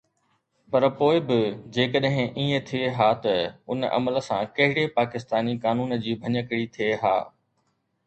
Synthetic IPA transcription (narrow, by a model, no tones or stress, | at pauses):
pɐɾpoːɪbɪd͡ʑeːkəɗɦɪ̃ʔiːẽt̪ʰieɦaːt̪ɐʊnʔɐ̰mələsã̰kɐɦɪɽepaːkɪst̪aːnikaːnuːnd͡ʑiːbʱɐɲəkɪɽit̪ʰieɦa̰ː